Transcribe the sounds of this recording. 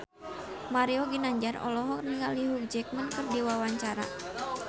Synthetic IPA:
maɾiɔɡinaɲd͡ʒaɾɔ̰lɔɦɔniŋaliɦuk̚d͡ʒɛk̚mənkɨrdiwawaɲt͡ʃaɾa̰

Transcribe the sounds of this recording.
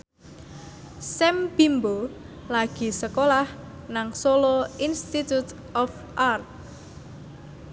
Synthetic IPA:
sɛmb̥imbo | laɡ̥i̤səkolah | naŋsoloinst̪it̪ut̪ | ɔf | ʔart̪̚

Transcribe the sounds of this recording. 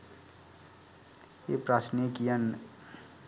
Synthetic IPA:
eprasnikijan

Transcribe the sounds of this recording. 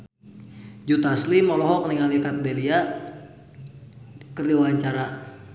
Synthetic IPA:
d͡ʒut̪aslimɔlɔɦɔk̚niŋalikat̪̚delia | kərliwaɲt͡ʃaɾa

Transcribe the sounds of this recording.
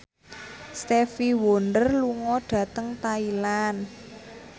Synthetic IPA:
st̪efiwondərluŋɔɖ̥ä̤t̪əŋt̪ailan

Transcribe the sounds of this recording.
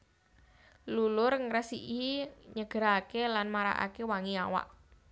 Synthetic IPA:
lulʊrŋɾəsiʔiɲəɡ̥əɾakelanmaɾa̰ʔa̰kewaŋiawa̰ʔ

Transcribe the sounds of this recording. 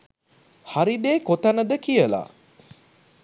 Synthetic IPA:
haɾid̪eːkot̪anəd̪əkijəla̰

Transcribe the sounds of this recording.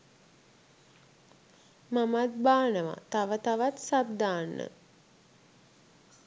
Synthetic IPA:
mamat̪̚baːnəʋa̰t̪aʋət̪aʋat̪sab̚d̪aːnːə̰

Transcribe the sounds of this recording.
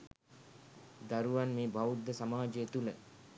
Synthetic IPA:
d̪aɾuʋanmeːbʱaud̪ːəsamaːd͡ʒejet̪ulə

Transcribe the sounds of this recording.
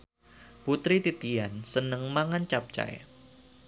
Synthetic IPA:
put̪ɾit̪it̪iansənəŋmaŋant͡ʃap̚t͡ʃa̰j̰

